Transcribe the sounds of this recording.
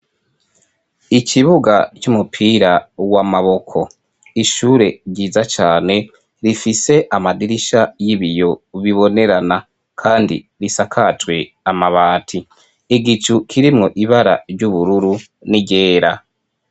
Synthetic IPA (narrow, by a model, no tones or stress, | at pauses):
icʰiβuɡa̰t͡ʃumupʰiɾawamaβo̞kʰo̞ | iʃuːɾe̞ɾɟiːzat͡ʃaːne̞ | ɾifise̞ʔamadiɾiʃajiβijo̞βiβo̞ne̞ɾana | kʰaːndḭ | ɾisakʰatwe̞ | amaβaːtʰi | iɡit͡ʃukʰiɾimŋo̞ʔiβaɾa̰ɾɟuβuɾuɾu | niɟe̞ːɾa